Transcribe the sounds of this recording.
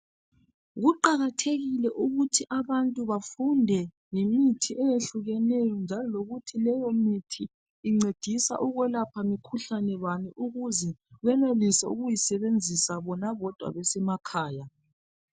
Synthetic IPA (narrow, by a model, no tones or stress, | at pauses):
ɣuǃaɣatʰeɣilɛʔuɣutʰiʔaβantʼuβafundʱɛ | jimitʰiʔɛjeɬuɣɛnɛjɔnd͡ʒʱalɔloɣutʰilɛjɔmitʰiː | ŋ͡ǀed̥ʱisa̰ʔuɣwɛlapʰamikʰuɬanɛwaniʔuɣuzɛɣɛnelisa̰ṵɣujisɛβend͡zʱisaβɔnaβɔd̥ʱwa̰βɛsɛmakʰaːja